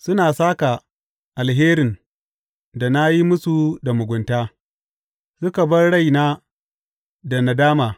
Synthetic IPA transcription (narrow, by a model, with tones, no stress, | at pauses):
sʊ˦naː˨saː˦ka˨ | ʔa˨lɦeː˦ɾɪ˨n | da˨na˦ji˦mʊ˦su˨da˨mʊ˨ɡʷʊ˨ntaː˦ | sʊ˦ka˨bɐ˦rɽɐ˦˨jnaː˦ | da˨na˨daː˦maː˨